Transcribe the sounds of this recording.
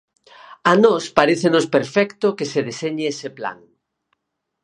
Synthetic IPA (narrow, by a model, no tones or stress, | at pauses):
anɔspaɾeθenospeɾfɛkt̪okeseðeseɲɪesepla̰ŋ